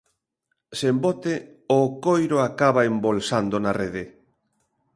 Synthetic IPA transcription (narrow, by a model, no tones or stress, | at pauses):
sembɔt̪e | okojɾoakaβaembolsand̪onareðɪ